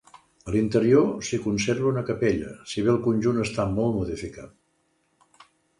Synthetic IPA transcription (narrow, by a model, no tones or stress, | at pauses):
əlint̪əɾiosikunserβəunəkəpeʎə̰siβ̞eəlˠkunʲʒunəst̪amɔlˠt̪muðifika̰t̪̚